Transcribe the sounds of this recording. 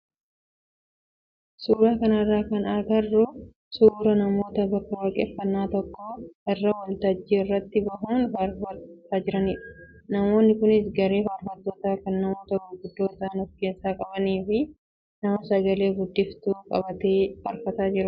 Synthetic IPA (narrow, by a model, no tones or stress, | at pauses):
suːɾaːkɐnɐrːaːkɐnɐɾɡɐrːʊ | suːɾɐnɐmo̞ːt̪ɐbɐkːɐwɐkʼɛfːɐnːaːt̪ɔkːoʔɛrːɐwɐlt̪ɐd͡ʒːiːɪrːɐt̪ːɪbɐɦuːnɐɾɐt̪aːd͡ʒɪɾɐniːᶑʊ̥ | nɐmo̞ːnːɪkʊnɪsɡɐɾe̞ːfɐɾfɐt̪ːoːt̪aːkɐnːɐmoːt̪ɐɡʊɡʊd̪ːo̞ːt̪ɐnɔfke̞ːsːaːkʼɐbɐniːfɪ | nɐmɐsɐɡɐle̞ːɡʊd̪ːɪft̪uːkʼɐ̰bɐt̪eːhɐɾfɐt̪aːd͡ʒɪɾʊ